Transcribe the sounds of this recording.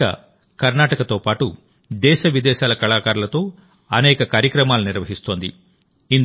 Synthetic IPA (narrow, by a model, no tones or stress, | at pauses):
ɐ̰ | kɐɾnaːʈɐkɐt̪o̞ːpaːʈu | d̪ɛːʃɐʋid̪ɛːʃaːlɐkɐlaːkaːɾulɐt̪o̞ː | ɐnɛːkɐkaːɾjɐkɾɐmaːluniɾʋɐɦist̪o̞ːnd̪ḭ | in